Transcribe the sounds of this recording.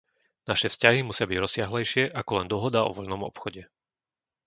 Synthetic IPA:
naʃɛfscaɦimusɪabiɟɾɔsɪaɦlɛjʃɪɛʔakɔlɛnd̪ɔɦɔd̪aɔ̰ʋɔʎnɔmɔ̰pxɔɟɛ

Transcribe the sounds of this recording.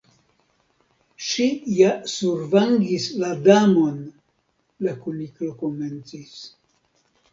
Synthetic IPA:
ʃijasuɾvaŋɡisladamo̞n | lakuniklokome̞nt͡sis

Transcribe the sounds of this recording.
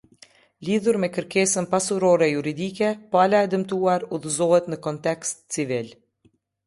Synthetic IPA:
liðuɾmɛkəɾkɛsənpasuɾɔɾɛjuɾid̪ikɛpalaɛd̪əmt̪uaɾuðəzɔɦɛt̪nəkɔnt̪ɛkst̪t͡sivil

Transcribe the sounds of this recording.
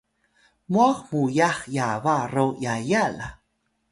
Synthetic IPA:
mwaχmujaχjavaɾojajala

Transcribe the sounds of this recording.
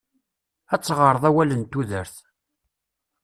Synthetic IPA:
æt͡sːʁəɾˤðˤæwælənt̪ːuðəɾθ

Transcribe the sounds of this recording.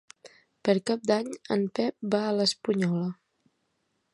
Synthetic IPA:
pəɾkap̚d̪aɲəmpɛp̚baələspuɲɔlə

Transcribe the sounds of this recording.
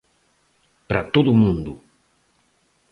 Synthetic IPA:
pɾat̪oðʊmũnd̪ʊ

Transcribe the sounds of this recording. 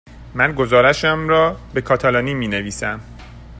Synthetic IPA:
mænɡozɒːɾæʃæmɾɒːbe̞kʰɒːt̪ʰælɒːniːmiːneviːsæm

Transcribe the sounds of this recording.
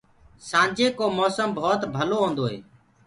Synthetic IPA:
sãːnd͡ʒeːkoːmoːsəmbʱoːt̪bʱəloːɦõːnd̪oːɦeː

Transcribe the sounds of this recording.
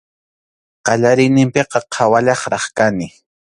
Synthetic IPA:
qɑʎaɾɪjnɪmpeqɑqʰawaʎɑχɾɑχkanɪ

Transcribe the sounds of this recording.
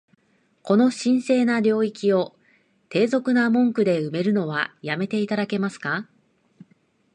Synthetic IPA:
ko̞no̞ɕĩɰ̃se̞ːnaɾʲo̞ːikʲio̞ | t̪e̞ːzo̞kɯ̟namõ̞ŋkɯ̟d̪e̞ɯ̟me̞ɾɯ̟no̞βajame̞t̪e̞it̪ad̪ake̞masɨ̥ka

